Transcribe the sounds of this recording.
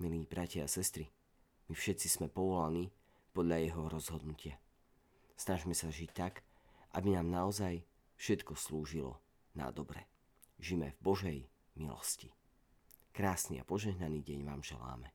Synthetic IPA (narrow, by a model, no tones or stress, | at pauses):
miliːbɾacɪaasɛst̪ɾi | mifʃɛt̪t͡sismɛpɔʋɔlaniː | pɔd̪ʎajɛɦɔɾɔzɦɔd̪nucɪa | snaʒmɛsaʒict̪ak | ʔabinaːmnaɔzaj | fʃɛt̪kɔsluːʒilɔ̰ | na̰d̪ɔbɾɛ̰ | ʒimɛvbɔʒɛj | milɔ̰sci | kɾaːsnia̰pɔʒɛɦnaniːɟɛɲʋaːmʒɛ̰la̰ːmɛ